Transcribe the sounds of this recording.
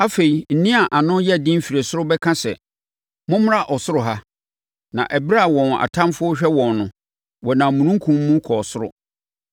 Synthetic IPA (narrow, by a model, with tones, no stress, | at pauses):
a˦fe˨i˨n̩˨nĩ˦a˨ʔa˨nʊ̃˦jɛ˦˨dĩ˦m̩˦fi˨ɾe˨sʊ˦ɾʊ˦bɛ˦kʰã˦sɛ̰˨ | mʊ̃˦m˦ɾa˦ʔɔ˨sʊ˦ɾʊ˨ɦa˦ | nã̰˨ʔɛ˨bi˦ɾa˦˨wɔ̃˨na̰˨tʰã˦mfʊ˦ʊ˦ɕᶣɛ˦wɔ̃˨nːʊ̃˨ | wɔ˨nã˨mũ˨nũ˦ŋ̩˦kʰũ˦mː˦ũ˦kʰɔ˨sʊ˦ɾʊ̰˦